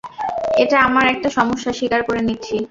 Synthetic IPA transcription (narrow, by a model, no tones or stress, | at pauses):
eʈaamaɾɛk̚ʈaʃɔmoʃːaʃikaɾkoɾenitːɕʰi